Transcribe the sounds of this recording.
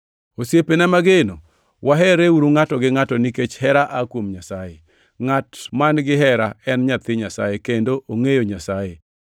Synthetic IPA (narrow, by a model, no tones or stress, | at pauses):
osjepenamaɡeno | waɦɛɾeuɾuŋatɔɡɪŋatɔniket͡ʃhɛɾaʔakwomɲasaje | ŋatmanɡɪɦɛɾaɛnɲat̪ɪɲasajekendoʔoŋejoɲasaje